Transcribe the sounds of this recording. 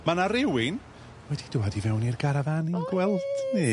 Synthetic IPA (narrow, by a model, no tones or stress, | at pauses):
manaɾɪwɪn | wɛd̥id̥uadivɛwnirɡaɾavaninɡwɛlˠd̥ni